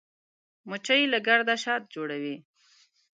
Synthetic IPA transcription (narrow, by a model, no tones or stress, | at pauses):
mʊt͡ʃajilaɡaɽd̪aʃɑt̪̚d͡ʒoɽawi